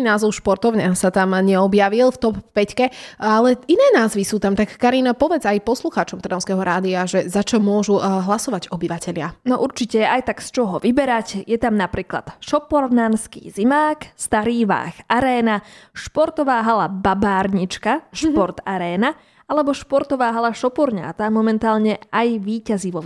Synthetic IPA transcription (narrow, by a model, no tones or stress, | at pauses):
inaːzɔʊʃpɔɾt̪ɔʊɲasat̪amɲɛɔbjaʋilft̪ɔpːpɛckɛalɛinɛːnaːzʋisuːt̪amt̪akːaɾinpɔʋɛd͡zajpɔsluxaːt͡ʃɔmt̪ɾ̩nɔʊ̃skɛɦɔɾaːd̪iaʒɛzat͡ʃɔmʊɔʒuɦlasɔʋaɟɔbiʋacɛʎɪanɔʔuɾt͡ʃicɛɛajt̪akst͡ʃɔɦɔʋibɛɾacjɛt̪amnapɾiːkla̰t̪ʃɔpɔɾnanskḭːzimaːkst̪aɾiːʋa̰ːxʔaɾɛːnaʃpɔɾt̪ɔʋaːɦalababaːɾɲit͡ʃkaʃpɔɾt̪aɾɛːna | alɛbɔʃpɔɾt̪ɔʋaːɦalaʃɔpɔɾɲa̰ːt̪amɔmɛnt̪aːlɲɛajʋiːcaziʋɔ